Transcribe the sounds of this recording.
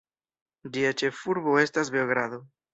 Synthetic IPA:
d͡ʒiat͡ʃe̞fuɾbo̞e̞stasbeoɡɾad̪o̞

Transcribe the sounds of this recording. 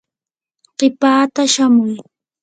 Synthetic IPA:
ɢ̥ɪpaːt̪aʃamʊj

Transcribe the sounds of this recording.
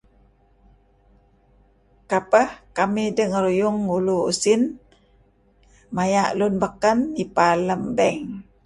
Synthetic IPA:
kapəhkamidəŋəɾujʊŋuluṵsin | majaʔlunbəkənipaləmbɛŋ

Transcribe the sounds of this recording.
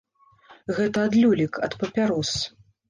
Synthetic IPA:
ɣɛt̪ɐːd̪lʲulʲikɐt̪pɐpʲaɾɔs

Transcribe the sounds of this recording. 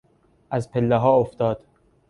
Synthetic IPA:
ʔæzpʰelːeɦɒːoft̪ɒːd̪̥

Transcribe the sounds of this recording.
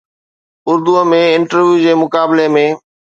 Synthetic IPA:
ʊɾd̪uəmẽɪɳʈəɾʋjud͡ʑeːmʊkaːbɪlemẽ

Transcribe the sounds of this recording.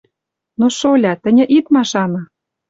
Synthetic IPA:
noʃolʲɑt̪ɘ̆nʲɘ̆ʔit̪mɑʃɑnɤ̆

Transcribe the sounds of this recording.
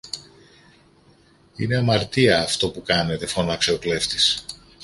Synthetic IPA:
ine̞ɐmɐɾt̪iɐːft̪o̞pukɐne̞t̪e̞fo̞nɐkseokle̞ft̪is

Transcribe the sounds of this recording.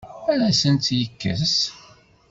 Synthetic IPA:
æɾæsənt̪jəkːə̰s

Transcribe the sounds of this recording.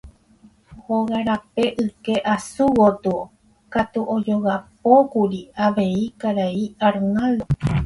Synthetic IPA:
hoɣaɾape̞ʔɨke̞ʔasuwot̪u | kat̪uʔod͡ʒo̞ɣap̚okuɾiaʋe̞ikaɾaiaɾnald̪o

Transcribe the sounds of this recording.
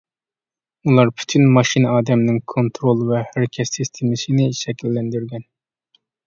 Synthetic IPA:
ulˠɑɾpʰy̥t̪ʰynmɑʃinɨɑːd̪ɛmnɪŋkʰont̪ɾolˠvɛhæɾɪkʲʰɛt̪ːist̪ʰemɪsɨnɪʃɛkʲʰilːɛnd̪yɾɡʲɛn

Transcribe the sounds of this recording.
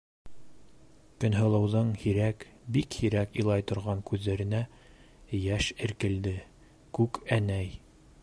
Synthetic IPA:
kɵ̆nɦɤ̆lˠɤ̆wðɤɴhiɾækbikhiɾækŏjlˠɑjt̪ŏɾʁɑŋkʉðːæɾɘ̆næ | jæʃɘ̆ɾkɘ̆ld̪ɘ | kʉkænæj

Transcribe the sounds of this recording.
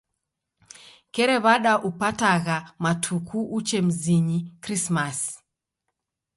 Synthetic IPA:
kɛɾɛβaɗaʔupataɣamatʰukʰuʔut͡ʃɛm̩ziɲikɾismas

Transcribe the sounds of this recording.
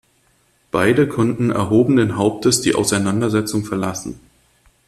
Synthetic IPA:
b̥aɪdəkʰɔntn̩ɛ̰ɐɦoːbən̩denɦaʊp̚təsd̥ḭːʔa̰ʊsaɪnandɐzɛt͡sʊŋfɛɐlasn̩

